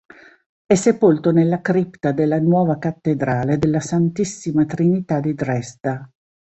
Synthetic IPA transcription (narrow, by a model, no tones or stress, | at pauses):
ɛsːepolt̪onelːakɾipt̪ad̪elːanwɔːvakat̪ːed̪ɾaːled̪elːasant̪isːimat̪ɾinit̪ad̪id̪ɾɛst̪a